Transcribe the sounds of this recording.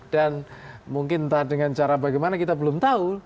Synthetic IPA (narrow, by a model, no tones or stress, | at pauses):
d̥anmuŋkɪnt̪adəŋant͡ʃaɾabaɡajmanakit̪abəlʊmt̪au